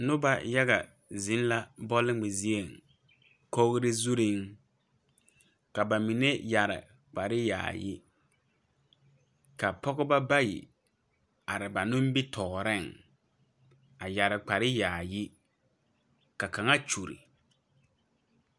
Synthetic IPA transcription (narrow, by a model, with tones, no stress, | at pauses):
nʊ˦ba˦ja˦ɣa̰˨ | zɪ˦n˦la˦bɔ˦lɪ˦ŋ͡mɪ˨zi˦e˦˨ŋ | ko˦ɣɾɪ˦zu˦ɾɪ˦ŋ | ka˨ba˨mi˨ne˦ja˨ɾɪ̰˨ | k͡pa˨ɾɪ˦ja̰ː˨jɪ̰˦ | ka˨pɔ˦ɣʊ˦ba˦ba˦jḭ˨ | a˨ɾɪ˨ba˨nʊ˦m˦bi˦tʰɔ˨ɾɪ˦˨ŋ | a˨ja˨ɾɪ˨k͡pa˨ɾɪ˦jaː˨jɪ˦ | ka˨ka˨ŋa˦t͡ʃu˨ɾḭ˨